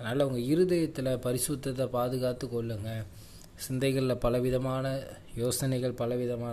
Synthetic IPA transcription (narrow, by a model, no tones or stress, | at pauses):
ɐnaːlɐʊŋɡɐɪɾɯðɐjɐt̪ːɪlɐpɐɾɪsʊt̪ːɐt̪ːɐpaːðɯɣaːt̪ːɯkːɔɭːɯŋɡɐ | sɪnd̪ɐɪɣɐɭlɐpɐlɐʋɪðɐmaːnɐ | joːsɐnɐɪɣɐɭpɐlɐʋɪðɐmaː